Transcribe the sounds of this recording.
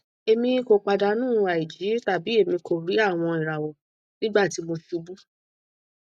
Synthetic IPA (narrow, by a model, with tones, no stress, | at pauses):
e˧mĩ˧˦ko˧k͡pa˧da˧nũː˦˨˧a˨i˨d͡ʒi˨˦ta˨bi˨˦e˦˨mĩ˧ko˨ɾi˨˦a˦˨w̃ɔ̃˧i˨ɾa˨wɔ˨ | nĩ˦ɡ͡ba˦˨ti˨˦mo˧ʃi˧u˧bu˦